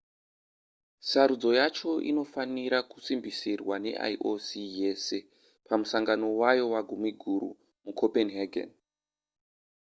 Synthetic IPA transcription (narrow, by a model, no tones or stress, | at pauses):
saɾud͡zo̞jat͡ʃo̞ʔḭno̞faniɾaku̥simbisirwane̞̰ʔa̰jʔosije̞se̞ | pʰamusaŋɡano̞wajo̞waɡʱumiɡʱuɾṵ | mukʰopenɦaɡʱḛn